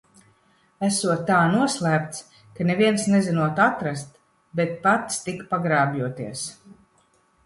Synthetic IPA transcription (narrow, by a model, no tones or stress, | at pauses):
æsuɔt̪ːaːnuɔslˠæːp̚t̪s | kaneviɛnsnɛzinuɔt̪at̪ɾast̪ | bet̪̚pat̪st̪ikpaɡɾaːbʲjuɔt̪iɛs